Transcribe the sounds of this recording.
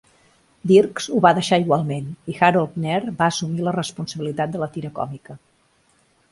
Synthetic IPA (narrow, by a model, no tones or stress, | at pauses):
d̪irkzuβaðəʃaiɣwalˠmenixaɾolˠt̪nɛɾbaəsumilərəspunsəβilit̪at̪̚d̪ələt̪iɾəkɔ̰mikə